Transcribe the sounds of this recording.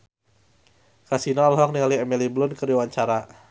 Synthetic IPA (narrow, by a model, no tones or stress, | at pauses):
kasinaːlɦɔk̚niŋaliɛmiliblʊnkəɾiwaɲt͡ʃaɾa